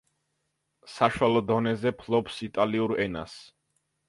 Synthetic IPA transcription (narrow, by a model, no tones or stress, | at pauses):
saʃwalˠɔd̪ɔnɛzɛpʰlˠɔpsit̪ʼaliuɾɛna̰s